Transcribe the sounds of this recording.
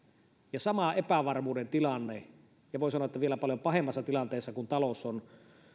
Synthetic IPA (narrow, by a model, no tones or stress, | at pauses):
jɑsɑmɑepæʋɑrmuːdent̪ilɑnːe | jɑʋoˑisɑnoɑˑet̪ːæʋielæpɑljompɑhemːɑsːɑt̪ilɑnt̪eˑːsːɑkunt̪ɑloson